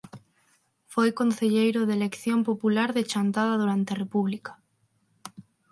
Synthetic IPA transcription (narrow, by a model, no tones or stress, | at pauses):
fojkonθeʎejɾʊðelekθjompopulaɾðet͡ʃant̪að̞aðuɾant̪ɪarepuβlikḁ